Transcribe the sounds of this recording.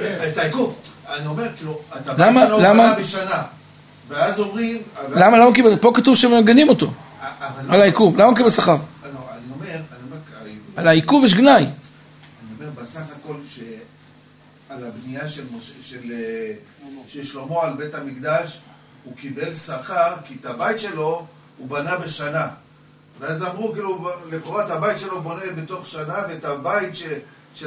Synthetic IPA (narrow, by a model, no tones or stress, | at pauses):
et̪aikuvanio̞me̞ʁkiluat̪ablamanolamabeʃana | veazo̞mʁimalamalamakibepo̞kat̪uvʃemeaɡenimo̞t̪o̞̰avalalaikuvlamaukibelsaχaʁoaniome̞ʁaniomeʁkalaikuvjeʃ̬ɡnaj | anio̞me̞ʁbesaχako̞lʃe | alabnijaʃelmoʃeʃel | ʃejeʃlo̞moalbe̞tamikd̪aʃ | hukibe̞lsaχaʁkit̪abajit̪ʃe̞lo̞ | ubanabe̞ʃana | veazamʁukiːluliχoʁat̪abajit̪ʃe̞lo̞bo̞nebet̪o̞χʃanavet̪abajit̪ʃe | ʃe